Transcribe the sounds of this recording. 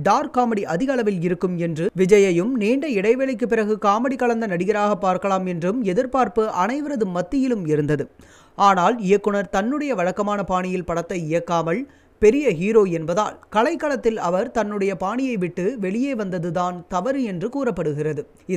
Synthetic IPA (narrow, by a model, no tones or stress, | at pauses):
ɖaːɾkaːmɐɽiʔɐðɪɣɐɭɐʋɪlɪɾɯkːɯmɛndrɯʋɪd͡ʒɐjɐjɯmneːɳɖɐɪɽɐɪʋeːlɐɪkːɯpːɪɾɐɣɯkaːmɐɽikɐɭɐnd̪ɐnɐɽɪɣɐɾaːɣɐpːaːɾkɐɭaːmɛndrɯmɛðɪɾpaːɾpɯʔɐnɐɪʋɐɾɐðɯmːɐt̪ːɪjɪlɯmɪɾɯnd̪ɐðɯ | aːnaːlɪjɐkːɯɳɐɾt̪ɐnːɯɽɐjɐʋɐɻɐkːɐmaːnɐpaːɳɪjɪlpɐɽɐt̪ːɐɪjɐkːaːmɐɭ | pɛɾɪjɐɦiːɾoːɛnbɐða̰ːlkɐɭɐɪkːɐɭɐt̪ːɪlɐʋɐɾt̪ɐnːɯɽɐjɐpaːɳɪjɐɪʋɪʈːɯʋɛɭɪjeːʋɐnd̪ɐðɯðaːnt̪ɐʋɐɾɯɛndrɯkuːrɐpːɐɽɯɣɪrɐðɯ